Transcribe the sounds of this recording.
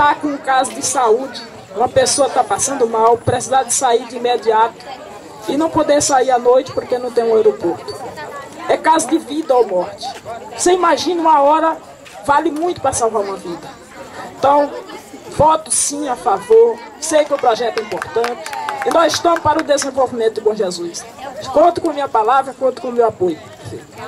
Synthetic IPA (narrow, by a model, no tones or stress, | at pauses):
t̪akõũkazʊd̪ɪsaud͡ʒɪ | ũmɐpesoɐt̪apasɐ̃nd̪ʊmawpɾesizaɾd̪ɪsaiɾd͡ʒɪĩmed͡ʒiat̪ʊ̥ | ɪnɐ̃w̃pod̪eɾsaiɾanojt͡ʃɪ̥poɾkenɐ̃w̃t̪ẽj̃ũewɾopoɾt̪ʊ̥ | ɛkazʊd̪ɪvid̪ɐowmɔɾt͡ʃɪ̥voseimaʒĩnɐũmɐɔɾɐ | valɪmũj̃t̪ʊ̥pɾɐsawvaɾũmɐvid̪ɐ | ẽt̪ɐ̃w̃vɔt̪ʊsĩafavoɾsejkɪʊpɾɔʒɛt̪ʊɛĩmpoɾt̪ɐ̃nt͡ʃɪ̥ɪnɔzɪʃt̪ɐ̃mʊpaɾʊd̪ezẽvowvimẽnt̪ʊd̪ɪbõʒezus | skõt̪ʊkõɐmĩɲɐpalavɾɐkõt̪ʊ̥kõmewapojʊ | fḛj